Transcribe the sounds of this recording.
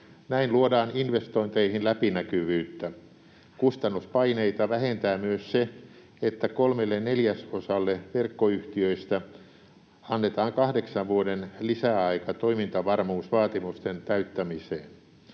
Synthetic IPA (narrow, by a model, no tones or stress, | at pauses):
næinluodɑːninʋest̪oint̪eihinlæpinækyʋyːt̪ːæ | kust̪ɑnːuspɑineit̪ɑʋæhent̪æːmyøsse | et̪ːækolmelːenneljæsosɑlːeʋerkːoyht̪iøist̪æ | ɑnːet̪ɑːŋkɑhdeksɑʋʋuodenlisæɑikɑt̪oimint̪ɑʋɑrmuːsʋɑːt̪imust̪ent̪æyt̪ːæmiseːn